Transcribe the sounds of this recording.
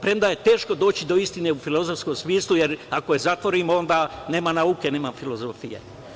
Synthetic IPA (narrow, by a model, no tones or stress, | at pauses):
pɾemd̪aje̞t̪e̞ːʃko̞d̪o̞ːt͡ɕid̪o̞ist̪ine̞ufilo̞zofskomsmiːslˠujeɾakojezat̪ʋo̞ɾiːmo̞nd̪aːne̞ːmanauke̞ne̞ːmafilo̞zofijḛ